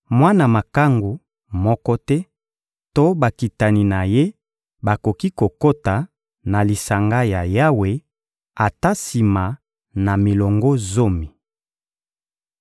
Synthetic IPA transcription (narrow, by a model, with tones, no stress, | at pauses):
mwa˦na˨ma˨ka˦ŋɡu˨ | mɔ˦kɔ˦tɛ˦ | to˦ba˨ki˨ta˨ni˨na˨je˦ | ba˨ko˨ki˦ko˨ko˦ta˨ | na˨li˨sa˨ŋɡa˦ja˨ja˦we˦ | a˨ta˦si˨ma˨ | na˨mi˨lɔ˨ŋɡo˦zo˦mi˨